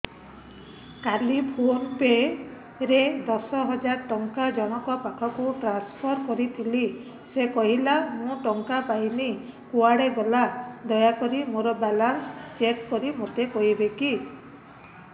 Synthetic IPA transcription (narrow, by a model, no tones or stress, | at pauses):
kalipʰonpe | ɾed̪ɔsɔɦɔd͡ʒaɾʈɔŋkad͡ʒɔɽ̃ɔkɔpakʰɔkuʈɾanspʰɔɾkɔɾit̪ʰili | sekɔɦilamũʈɔŋkapajnikuaɽebelad̪ɔjakɔɾimoɾɔbalanst͡ʃeʈkɔɾimot̪ekɔɦibeki